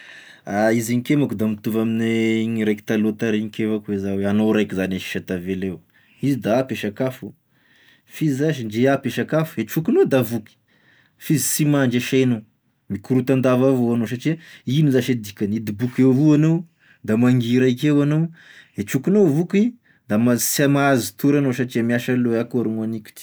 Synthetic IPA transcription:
aiziɲikemakud̪amit̪uvamineɲiɾeki̥t̪alot̪aɾiɲikevakuezaweanoɾajkizanaʃi̥ʃat̪avelew | izid̪aapeʃakafu | fizizaʃ̬iɳd͡ʒeapeʃakafueʈ͡ʂukunod̪avuki̥ | fizisimaɳd͡ʒaʃano | mikuɾut̪and̪avavoanoʃ̬aʈ͡ʂiəinizaʃad̪ikanid̪ibukewvuanow | d̪amaŋɡiɾaikewanoeʈ͡ʂukinovuki | d̪amasamaazit̪uɾanoʃaʈ͡ʂiəmiaʃaloakoɾimanikʲi̥ʈ͡ʂi̥

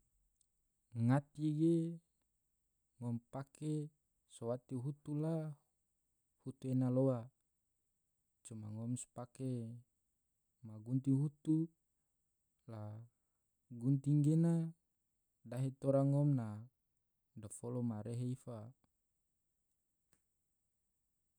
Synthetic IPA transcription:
ŋat̪iɡe | ŋɔmpake | sowat̪iɦut̪ula | hut̪uenaloa | t͡ʃuma̰ŋɔmspake | maɡunt̪iɦut̪u | la | ɡunt̪iŋɡena | daɦet̪oɾaŋɔmna | dofolomaɾeɦeifa

